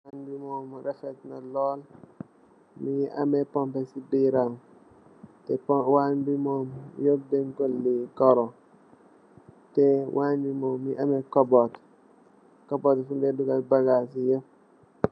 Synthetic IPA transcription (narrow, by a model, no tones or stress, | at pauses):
anbimɔːmɾɛfɛtnɐlɔːl | miɐ̰mɛpɔmpɛsibiɾam | tɛwanbimɔmjɔk̚dɛŋkɔlːikɔɾɔ | tɛwanbimɔːmːiʔɐmɛkɔbɔt | kɔbɔtfundɛdukabaɡasijɔ